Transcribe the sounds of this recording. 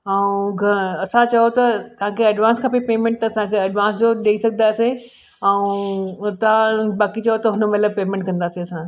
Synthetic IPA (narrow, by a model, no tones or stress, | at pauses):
ɛũɡʱɐɐsãt͡ɕɐjot̪ɐt̪ɐʋ̤ãkʰeɐɖʋãːnskʰɐpipeːmẽɳʈ̚t̪ɐɐsãkʰeɐɖʋãːnsd͡ʑoɗeisɐɡʱənd̪aːse | ɛũt̪ɐãbaːkit͡ɕɐjot̪ɐɦʊnmɐt̪ləbpeːmẽɳʈkɐ̃nd̪aːsiɐsã